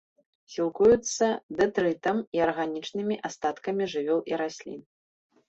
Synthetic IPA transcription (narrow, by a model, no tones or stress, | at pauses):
sʲilˠkujut̪sːɐd̪ɛt̪ɾɨt̪ɐmiɐrɣanʲit͡ʂnɨmʲiʔast̪at̪kɐmʲiʐɨvʲɔwʔiɾasʲlʲḭn